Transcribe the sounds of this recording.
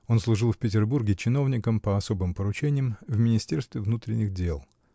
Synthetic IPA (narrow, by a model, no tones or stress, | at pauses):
o̞nslˠʊʐɨlˠfʲpʲɪtʲɪrburɡʲɪt͡ɕɪno̞vnʲɪkəmpəɐso̞bɨmpəɾʊt͡ɕenʲɪjəmvmʲɪnʲɪsʲtʲe̞rst̪vʲɪvnut̪ɾʲɪnʲːɪɣdʲelˠ